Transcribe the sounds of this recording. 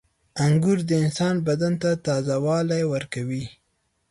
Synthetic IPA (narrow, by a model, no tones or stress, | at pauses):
aŋɡʊɾd̪əɪnsɑnbad̪ant̪at̪ɑzawɑlajwəɾkawi